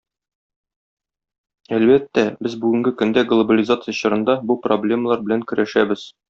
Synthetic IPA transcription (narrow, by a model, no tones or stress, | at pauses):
ælbæt̪ːæbɘzbʉɡɘ̆ŋɡɘkɵ̆nd̪æɡlˠobəlʲizat̪sɨjəɕɤ̆ɾɤ̆nd̪ɑbuproblʲe̞məlˠɑɾbɘ̆læŋkɵ̆ɾʔæʃæbɘz̥